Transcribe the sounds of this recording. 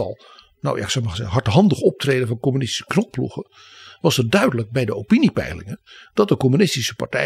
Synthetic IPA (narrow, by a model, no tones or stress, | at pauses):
ɑ̰lˠ | na̰wja̰ɪksɔwmaχəzɛɦɑɹtɦɑndəχɔp̚trejdənvɑnkomynɪsti̥sə̥knɔk̚plṵχə | ʋɑsət̚dœɥdələɡ̚bɛjdəowpinipɛ̰jlɪ̰ŋənd̥ɑt̚dəkomynɪstisəpa̰ɹtɛ